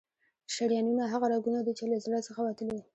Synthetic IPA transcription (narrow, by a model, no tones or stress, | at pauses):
ʃaɽjɑnunaɦaɣaɾɑɡunad̪it͡ʃeləzlasəxawat̪əliwi